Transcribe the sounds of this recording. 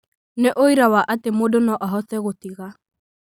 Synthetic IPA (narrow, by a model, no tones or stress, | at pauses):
neʔoiɾawaʔatemoːdonɔʔaɦɔθɛɣotiɣa